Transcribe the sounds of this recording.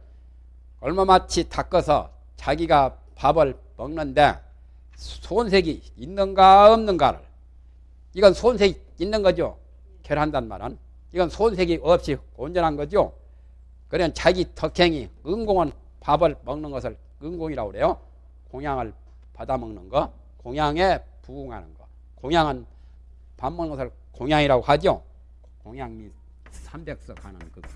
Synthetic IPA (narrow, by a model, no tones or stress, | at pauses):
kʌɭmʌmat͡ɕʰitʰak͈ʌsʰʌ̰ | t͡ɕaɡiɡa | pabɯɭ | mʌŋnɯnde̞̰ | sʰonsʰeɡiinːɯnɡaʌmnɯnɡa̰ɾɯ̰ɭ | iɡʌnsʰonsʰeɡiinːɯnɡʌd͡ʑijo̰ | keɾɦandanma̰ɾɯ̰n | iɡʌnsʰonsʰe̞ɡiʌp̚ɕ͈ikond͡ʑʌnɦanɡʌd͡ʑijo̰ | kɯɾimʌnt͡ɕaɡitʰʌkʰeŋiɯŋɡoŋɯn | pabɯɭmʌŋnɯnɡʌsʰɯɭ | ɯŋɡoŋiɾaɡoɾejo | koŋjaŋɯɭ | padamʌŋnɯnɡʌ | koŋjaŋe̞ | puɡuŋɦa̰nɯnɡʌ̰ | koŋjaŋɯn | pamːʌnɡʌsʰɯɭ | koŋjaŋiɾaɡohad͡ʑijo̰ | koŋjaŋmi | sʰambe̞k̚s͈ʌkʰa̰nɯnkɯɡ